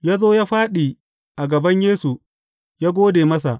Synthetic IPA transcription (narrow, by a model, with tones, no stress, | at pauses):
jaː˦zoː˦jaː˦ɸaː˦ɗi˨ | ʔa˨ɡɐ˨bɐ˦ɲjeː˦su˨ | jaː˦ɡʷoː˦deː˨mɐ˦sa̰˨ʔ